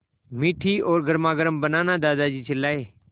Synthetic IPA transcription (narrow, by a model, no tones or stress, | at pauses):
miʈʰioːɾɡəɾmaːɡəɾəmbənãːnad̪aːd̪aːd͡ʒiːt͡ʃəlːaːeː